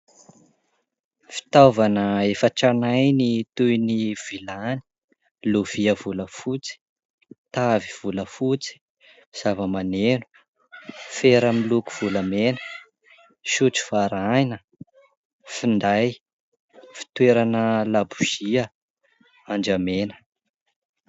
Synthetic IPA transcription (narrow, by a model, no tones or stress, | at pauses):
fi̥t̪avanəefəʈ͡ʂanajnit̪ujniv̥ilani̥ | luv̥iəvuləfut͡si̥ | t̪aviv̥uləfut͡si̥ | z̥avəmanenu̥ | feɾəmiluku̥v̥uləmenə̥ | ʃut͡si̥faɾajnə | find̪aj | fi̥t̪weɾanəlabuz̥iə | and͡ʒamenə̥